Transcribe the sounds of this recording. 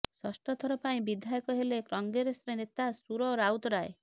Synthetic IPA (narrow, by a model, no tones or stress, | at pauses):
sɔsʈɔt̪ʰɔɾɔpaĩbid̪ʱjajɔkɔɦelekɾɔŋɡeɾesɾenet̪asuɾɔɾawt̪ɔɾaḛ